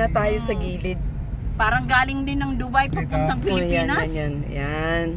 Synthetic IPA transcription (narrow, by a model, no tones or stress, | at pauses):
ɐt̪aːjosɐɡiːlɪt̪̚ | paːɾɐŋɡaːlɪŋd̪ɪnɐŋd̪ʊbajpɐɡ̚pʊnt̪ɐŋpɪlɪpiːnɐnjan